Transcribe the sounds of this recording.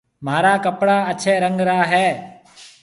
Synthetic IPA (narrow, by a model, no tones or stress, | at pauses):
maːɾaːkəpɽaːət͡ʃʰɛːɾəŋɡɾaːɦɛː